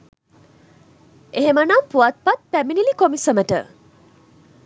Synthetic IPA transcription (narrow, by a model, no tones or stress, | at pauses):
eɦemanampuat̪̚pat̪̚pɛminilikomisəmeʈə̰